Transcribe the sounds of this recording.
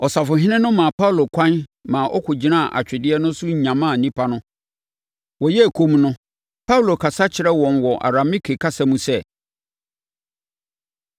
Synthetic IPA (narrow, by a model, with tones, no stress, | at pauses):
ɔ˨sa˨fʊ˨ɦɪ˦nɪ̃˦nʊ̃˦mã˨pʰa˦u˨lo˨kʰã˦nmã˨ʔɔ˦kʰʊ˨d͡ʑi˨nã˦˨ʔa̰˨t͡ɕᶣɪ˨dɪ˦ɛ˦nʊ̃˦sʊ˦ɲ̩˨ɲã˨mãː˦˨nĩ˦pʰa˦nʊ̃˦ | wɔ˨jɛ˦æ˨kʰo˦m˦nʊ̃˦ | pʰa˦u˨lo˨kʰa˨sa˦t͡ɕʰɪ˨ɾɛ˦wɔ̃˨nwɔ˨ʔa̰˨ɾa˨mi˦kʰe˨kʰa˦sa˦mũ˦sɛ˦